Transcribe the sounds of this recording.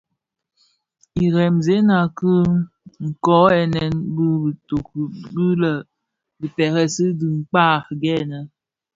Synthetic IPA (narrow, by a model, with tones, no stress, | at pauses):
i˨ɾɛ˨mze˨˦na˨kɨ˦ | ŋ̩˨kɔ˨˦ɛ˨nɛ˨nbi˦bto˨kbi˦lə˨ | bi˨pɛ˨ɣɛ˦sɨ˦di˨ŋ̩˨k͡pa˦˨ɾɡɛ˦˨nə˨